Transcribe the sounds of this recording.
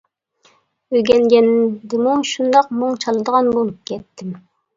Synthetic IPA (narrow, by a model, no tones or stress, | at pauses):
øɡʲɛnɡʲɛnd̪ɪmuʃund̪ɑqmuŋt͡ʃʰɑlˠɨd̪əʁɑnbolˠɨp̚kʲʰɛt̪ʰːɪm